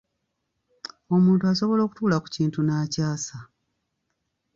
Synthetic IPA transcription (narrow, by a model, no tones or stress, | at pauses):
o̞muːntuaso̞βo̞lo̞ːku̥tuːlaku̥ciːntunaːcaːsa